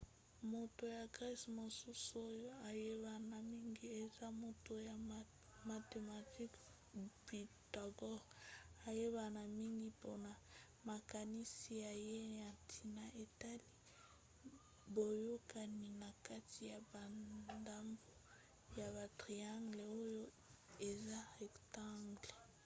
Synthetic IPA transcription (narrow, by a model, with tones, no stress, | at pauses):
mo˨to˨ja˨ɡʁi˦smo˨su˦su˨o˦jo˦a˨je˦βa˨na˨mi˦ŋɡi˦e˨za˦mo˨to˨ja˨ | ma˨te˨ma˨ti˦k | bi˨ta˨ɡɔ˦ʁa˨je˦βa˨na˨mi˦ŋɡi˨po˦na˨ | ma˨ka˨ni˦si˨ja˨je˦ja˨tʰi˨na˨ʔe˨ta˦li˦ | bo˨jo˦ka˨ni˨na˨ka˦tʰi˨ja˨ba˨da˦mbo˦ | ja˨βa˨tʁi˨a˦ŋɡle˨o˦jo˦ | e˨za˦ɛ˨kta˦ŋɡle˨